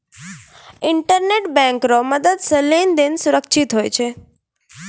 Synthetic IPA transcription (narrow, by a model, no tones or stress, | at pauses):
ɪɳʈəɾneʈbɛ̃ŋkɾoməd̪əd̪səlend̪ensuɾəkʃʰit̪ɦojt͡ʃʰe